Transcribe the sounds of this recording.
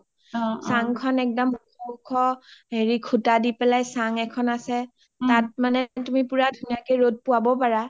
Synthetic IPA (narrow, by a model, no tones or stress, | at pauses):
saŋkʰɔnɛk̚dɔmukʰɔukʰɔɦeɹikʰutadipɛlajsaŋɛkʰɔnasɛ | tat̚manɛtumipuɹadʱunijakɛjɹot̚pʊwabɔpaɹa